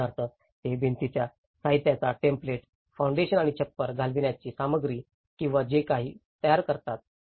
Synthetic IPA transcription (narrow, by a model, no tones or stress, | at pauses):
aɾt̪əː | t̪ebʱint̪it͡ɕja | saɦit̪jat͡saʈempleʈ | faw̃ɳɖeɕənaɽ̃it͡ɕʰəpːəɾɡʱalʋiɳjat͡ɕiːsaməɡɾiː | kĩw̃ʋad͡ʑekaɦiːt̪əjaɾkəɾt̪at̪̚